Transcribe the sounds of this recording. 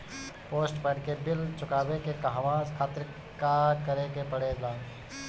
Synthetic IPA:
poːsʈpɛːʈkebɪlt͡ʃʊkaːbekekaɦʋãːzkʰaːt̪ɾɪ | akəɾekepəɽelãː

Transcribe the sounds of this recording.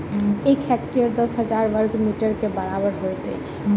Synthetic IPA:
ejkʰɛkʈiəɾd̪ɔsɦəd͡ʒaɾʋəɾɡmiʈəɾkebaɾabəɾɦoet̪ḛjt͡ɕʰe̥

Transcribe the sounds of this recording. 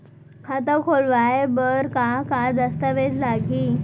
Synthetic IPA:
kʰat̪əkʰoɭʋajbəɾkakad̪əst̪əʋed͡zlaɡiː

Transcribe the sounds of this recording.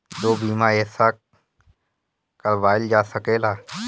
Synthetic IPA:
d͡ʒ̪oːbiːmaeːsa | kəɾʋaːɪld͡ʒaːsəkeːlaː

